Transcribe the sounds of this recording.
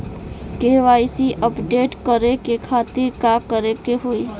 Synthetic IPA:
keːʋaːisiʔəpɖeːʈkəɾekekʰaːt̪ɪɾkakəɾekeɦoːi

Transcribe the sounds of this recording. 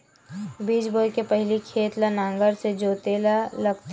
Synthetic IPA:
biːd͡ʒboːkepɐɦɪlikʰeːt̪lanãːŋɡəɾsed͡ʒoːt̪eːlaləɡt̪

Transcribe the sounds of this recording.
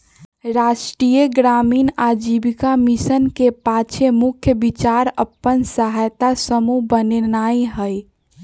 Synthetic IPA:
ɾaʃʈɾijeɡɾaminad͡ʒibikamisənkepat͡ʃʰemukʰjəbit͡ʃaɾəpːənsəɦajt̪asəmubənenaiɦəj

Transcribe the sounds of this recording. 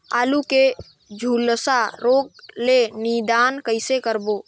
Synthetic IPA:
a̰ːluke | d͡ʒʱuːlsaɾoːɡ̚lenid̪aːnkəɪsekəɾbo

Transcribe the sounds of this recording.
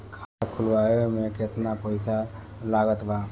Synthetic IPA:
kʰaakʰulʋaomeket̪napəjsa | laɡət̪ba

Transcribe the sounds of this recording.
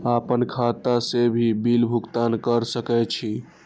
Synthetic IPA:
apənkʰat̪asebʱibilbʱukt̪ankəɾsəkɛt͡ʃʰi

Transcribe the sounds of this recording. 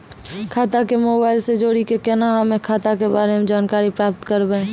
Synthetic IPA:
kʰaːt̪akemoːbaːɪlsed͡ʒoːɽikekɛːnaɦəmẽkʰaːt̪akebaːɾemẽd͡ʒaːnkaːɾipɾaːp̚t̪kəɾbẽ

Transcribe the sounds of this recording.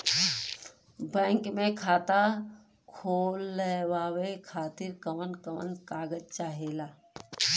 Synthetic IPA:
bɛ̃ːŋkmẽkʰaːt̪a | kʰoːlːewaːwekʰaːt̪iɾkəmənkəmə̰nkaːɡəd͡ʒt͡ʃaːɦeːlaː

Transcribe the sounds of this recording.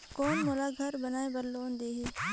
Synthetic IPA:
koːnmʊlaːɡʱɐɾbɐnaːebɐɾloːnd̪eːɦiː

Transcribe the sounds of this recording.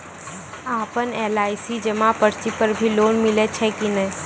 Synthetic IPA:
aːpəneːlaːɪsid͡ʒəmapəɾt͡ʃipəɾbʱiloːnmɪlet͡ʃʰɛkinɐĩ

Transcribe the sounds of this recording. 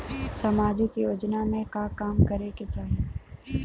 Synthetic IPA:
sɐmaːd͡ʒɪkjoːd͡ʒnamẽkakaːmkɐɾeket͡ʃaːɦie

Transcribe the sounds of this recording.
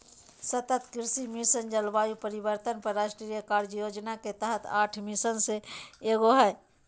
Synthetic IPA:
sət̪ət̪kɪɾsimisənd͡ʒəlʋaːjupəɾibəɾt̪ənpəɾːaːʃʈɾijəkaːɾd͡ʒjoːd͡ʒnaket̪əɦət̪ʰaːʈʰmɪsənseeːɡoɦɛe

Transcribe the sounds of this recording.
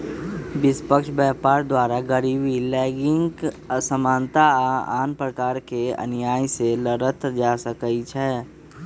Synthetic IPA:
bɪspəkʃbɛːpaːɾd̪waːɾaɡəɾiːbilɛːɡɪ̃ŋɡ | səmãːnt̪aa̰ːnpɾəkaːɾkeɐ̰njaːiseləɾət̪d͡ʒaːsəkəit͡ʃʰɛː

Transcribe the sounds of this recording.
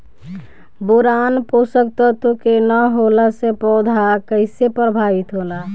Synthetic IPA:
boɾanposək̚t̪ət̪okenəɦolasepɔʊd̪ʱakəɪsepɾəbʱaʋit̪ɦola

